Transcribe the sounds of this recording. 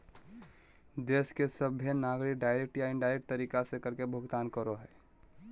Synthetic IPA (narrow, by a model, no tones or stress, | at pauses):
d̪eːskesəbʱjenaːɡɾik̚ɖaːɪɾek̚ʈjaɪnɖaːɪɾek̚ʈt̪əɾiːkasekəɾkebʱʊɡt̪aːnkəɾoɦɛː